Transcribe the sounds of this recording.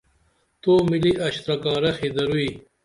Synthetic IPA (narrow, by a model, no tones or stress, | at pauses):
t̪oːmiliʔɐɕt̪ɾɐkaːɾɐxid̪ɐɾui